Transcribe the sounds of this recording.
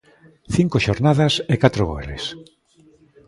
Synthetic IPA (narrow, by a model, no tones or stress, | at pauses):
θiŋkoʃoɾnaðɐsekat̪ɾoɣo̰elḛs